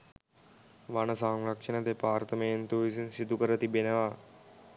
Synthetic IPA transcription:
ʋanəsaŋɾɐkʂənəd̪epaːrt̪əməjent̪uʋisinsid̪ukəɾət̪ibenəʋa

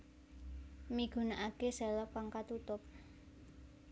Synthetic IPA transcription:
miɡ̥ṳnaʔakeselɔkaŋkat̪ut̪ʊp̚

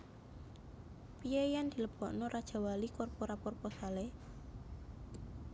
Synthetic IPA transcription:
pijejand̪̥i̤ləb̥ɔʔnɔɾʔad̥ʒ̥a̤walikɔrpɔɾapɔrpɔsale

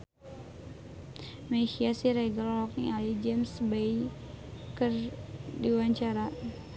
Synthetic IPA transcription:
meʃiasiɾeɡalɔlɔk̚nialid͡ʒɛmsbej | kərdiwaɲt͡ʃaɾa

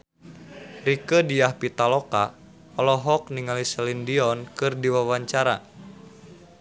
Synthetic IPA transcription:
rikədiahpit̪alɔka | ɔlɔɦɔk̚niŋalisɛlindiɔnkɨrdiwawaɲt͡ʃaɾa

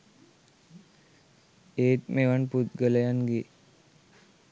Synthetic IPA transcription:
eːt̪meʋanput̪ɡələjanɡe

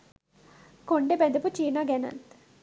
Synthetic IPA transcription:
koɳɖebed̪ɐput͡ʃiːnaɡenɐ̰nt̪

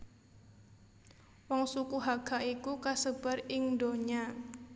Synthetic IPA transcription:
wɔŋsukuɦaɡ̥aʔikukasəb̥a̤rɪŋdoɲa

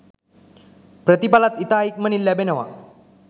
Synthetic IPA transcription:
pɾət̪ipalat̪it̪aɦik̚mənilːjabenəʋa̰

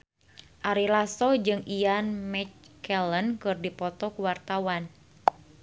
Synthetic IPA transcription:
ʔaɾilasɔd͡ʒɨŋijanmɛt͡ʃkɛlənkɨrdipɔt̪ɔkuwart̪awan

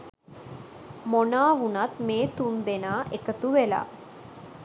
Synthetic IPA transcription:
monaːʋunat̪meːt̪und̪enaːʔekət̪uʋela̰ː

